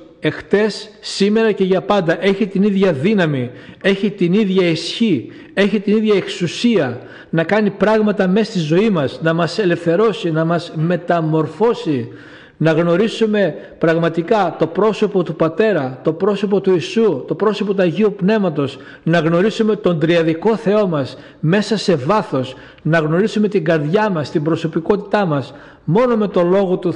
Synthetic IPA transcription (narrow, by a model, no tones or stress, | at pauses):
e̞xθe̞sːime̞ɾɐce̞ʝɐpɐnd̪ɐʔe̞çit̪iniðʝɐðinɐmie̞çit̪iniðʝɐisçi | e̞çit̪iniðʝɐeksusiɐ | nɐkɐnipɾɐɣmɐt̪ɐme̞st̪izo̞imɐznɐmɐse̞le̞fθe̞ɾo̞sinɐmɐzme̞t̪ɐmo̞ɾfo̞si | nɐɣno̞ɾisume̞ | pɾɐɣmɐt̪ikɐt̪o̞pɾo̞so̞po̞t̪upɐt̪e̞ɾɐt̪o̞pɾo̞so̞po̞t̪uisut̪o̞pɾo̞so̞pot̪uɐʝiupne̞mɐt̪o̞z | nɐɣno̞ɾisume̞t̪o̞nd̪ɾiɐðiko̞θe̞o̞mɐs | me̞sɐse̞vɐθo̞s | nɐɣno̞ɾisume̞t̪iŋɡɐɾðʝɐmɐst̪imbɾo̞so̞piko̞t̪it̪ɐmɐs | mo̞no̞me̞t̪o̞lo̞ɣo̞t̪u